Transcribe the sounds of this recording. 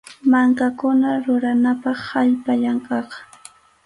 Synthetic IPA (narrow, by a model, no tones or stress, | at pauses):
maŋkakʊnaɾʊɾanapɑχhaʎpaʎaŋkɑqɑ̥